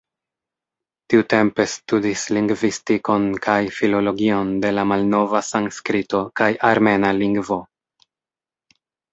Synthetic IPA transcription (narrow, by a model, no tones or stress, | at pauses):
tiute̞mpe̞studisliŋɡvistiko̞nkʰajfilo̞lo̞ɡio̞nde̞lamalno̞vasaŋskɾito̞kajʔaɾme̞naliŋɡvo̞